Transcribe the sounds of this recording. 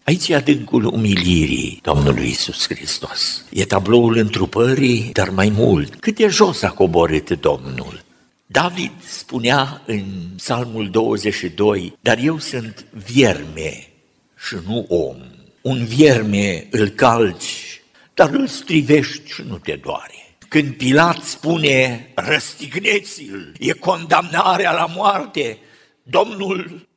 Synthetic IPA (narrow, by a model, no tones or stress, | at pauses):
ait͡ʃjead̪ɨŋkulṵmiliɾḭd̪̥o̞̰mnṵlṵjḭsuskɾḭst̪o̞sjet̪ablo̞ulɨnt̪ɾupəɾid̪armajmṵlt̪kɨt̪̚d̪e̞ʒo̞sako̞bo̞ɾɨt̪d̪o̞mnṵl | d̪avid̪spuneaɨnsalmuld̪o̞wəzeʃid̪o̞jd̪̥arje̞wsɨnt̪vjermḛ | ʃinuʔo̰m | unvjermeɨlkalt͡ʃʲ | d̪̥aɾɨlst̪ɾive̞ʃt̪ʲʃinut̪e̞d̪oa̰ɾe | kɨnd̪̚pilat̪spunerəst̪iɡnet̪silje̞ko̞nd̪amnaɾealamoart̪e | d̪o̞mnul